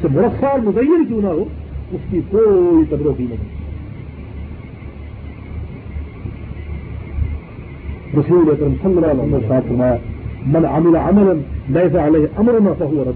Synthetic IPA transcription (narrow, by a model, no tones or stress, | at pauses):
semʊɾɐfːaːɾmʊzɐjːɐnkũnaɦoːʊskikoːit̪ɐd̪ɾoqiːnɐk̪ɐn | ɾɐsuːlɐkɾɐmsɐlːɐlːaːɦʊllaːsaːd̪fɐɾmaːjamɐnʕamɪlaʕamɐlɐnlɐjsaʕaleɦʔɐmɾʊnaːfɐɦʊwɐɾˤɐd̪